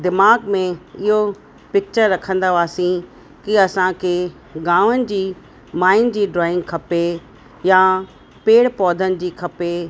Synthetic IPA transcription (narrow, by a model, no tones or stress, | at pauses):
d̪ɪmaːɡmẽɪɦo | pɪk̚t͡ɕəɾːɐkʰə̃nd̪aʋaːsĩ | kiɐsãkʰe | ɡãːʋənɪ̆d͡ʑiː | maːɪnd͡ʑiːɖɾɔːɪ̃ŋɡkʰɐpe | jã | peːɽpɔːd̪ʱənɪ̆d͡ʑiːkʰɐpe